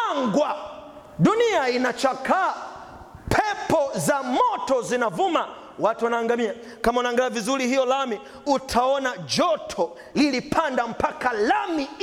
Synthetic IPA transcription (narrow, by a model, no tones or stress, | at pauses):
ŋɡwa | duniainat͡ʃakaː | pʰɛpɔzamɔtɔzinavuma | watuwanaːŋɡamia | kamaunaːŋɡalavizuɾihijɔlami | utʰaɔnad͡ʒɔtʰɔ | lilipʰandam̩pakalami